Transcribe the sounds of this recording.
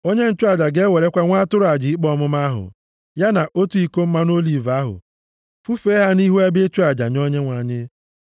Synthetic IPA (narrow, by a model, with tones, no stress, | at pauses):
o˦ɲe˦n̩˦t͡ʃu˦a˨d͡ʒa˨ɡe˦we˨ɾe˦kʷa˦ŋʷa˦tʊ˦ɾʊ˨˦a˨d͡ʒi˨i˦k͡pɔ˦mʊ˦ma˦ɦʊ̰˨ | ja˦na˨ʔo˦tu˦i˦ko˦m̩˦ma˦no˦li˨va˦ɦʊ̰˨ | fu˦fe˦ɦa˦ni˦ɦu˦e˦be˦t͡ʃu˦a˨d͡ʒa̰˨ɲɔ˦ɲe˦ŋʷa˨ɲɪ˦